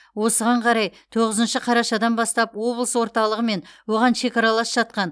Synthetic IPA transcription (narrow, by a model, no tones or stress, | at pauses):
wo̞səʁɑɴqʰɑɾɑjt̪ʰo̞ʁəzənʃɪqʰɑɾɑʃɑd̪ɑnbɑst̪ɑpwo̞blˠəswo̞ɾt̪ɑlˠəʁəme̞nwo̞ʁɑnʃe̞kɑɾɑlˠɑsʒ̥ɑt̪̚qɑn